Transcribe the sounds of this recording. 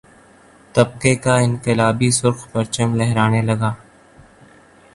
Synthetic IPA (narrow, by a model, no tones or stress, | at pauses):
t̪ɐb̚qekaɪ̃nqɪlaːbisʊɾqpɐɾt͡ʃəmlɛɦɾaːnelɐɡaː